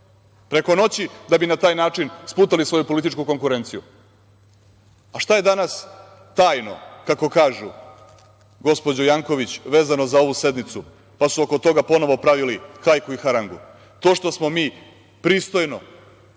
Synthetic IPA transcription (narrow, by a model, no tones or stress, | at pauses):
pɾe̞ko̞no̞t͡ɕid̪abinat̪aːjnaːt͡ʂinspuːt̪alisʋo̞jupo̞lit̪it͡ʃkuko̞ŋkuɾent̪siju | aʃt̪aje̞d̪anas | t̪aːjno̞̰kako̞kaːʒu | ɡo̞spo̞d͡ʑojaŋko̞ʋit͡ɕʋe̞ːzanozao̞ʋuse̞d̪nit̪su | pasuokot̪o̞ɡapo̞no̞ʋo̞pɾaʋilixajkuixaɾaŋɡṵ | t̪oːʃt̪o̞smo̞miː | pɾiːst̪o̞jno̞